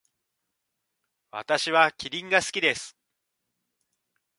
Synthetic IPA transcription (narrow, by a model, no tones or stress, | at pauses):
βa̰t̪aɕiβakʲiɾʲĩŋɡasɨ̥kʲid̪e̞sɨ̥